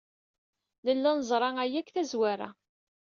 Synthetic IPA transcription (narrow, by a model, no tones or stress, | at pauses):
ləlːænəzˤɾˤɑæjækθæzwaɾæ̰